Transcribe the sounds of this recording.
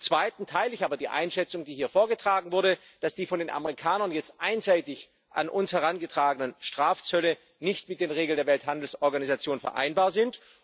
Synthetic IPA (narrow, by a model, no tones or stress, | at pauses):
t͡sv̥aɪtn̩tʰaɪlɪçaːbɐdiːʔa̰ɪnʃɛt͡sʊŋdiːɦiːɐfoːɐɡətʁ̥aːɡŋ̩vʊɐɾə | d̥asd̥iːfɔndeːnʔa̰məʁikʰaːnɐnjɛt͡stʔaɪnzaɪtɪç | ʔa̰nʔʊnshɛʁ̞anɡətʁ̥aːɡənənʃtʁ̥aːft͡sœlə | nɪçtmɪt̚d̥eːnʁeːɡl̩ndeːɐvɛlthandl̩sɔɐɡanizat͡sjoːnfɛ̰ɐʔa̰ɪnbaːɐzɪnt